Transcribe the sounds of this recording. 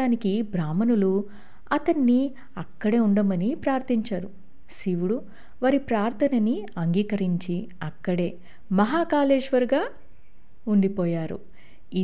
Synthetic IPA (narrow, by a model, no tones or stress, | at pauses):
aːnikibɾaːmɐnulu | ɐt̪ɐnːi | ɐkːɐɽeːuɳɖɐmɐnipɾaːɾt̪ʰiɲt͡ʃaːɾu | siʋuɽu | ʋɐɾipɾaːɾt̪ʰɐnɐniɐŋɡiːkɐɾiɲt͡ʃi | ɐkːɐɽe̞ː | mɐɦaːkaːleːd͡ʒʋɐɾɡaː | uɳɖipɔːjaːɾṵ | i